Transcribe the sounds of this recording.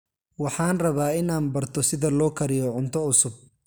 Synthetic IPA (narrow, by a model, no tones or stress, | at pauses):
wɑħɑːnrɐβaːɪnaːnbɐrt̪ʰɔsɪðɐlɔːkʰɐɾɪjɔʕʊnt̪ʰɔʊsʊb̚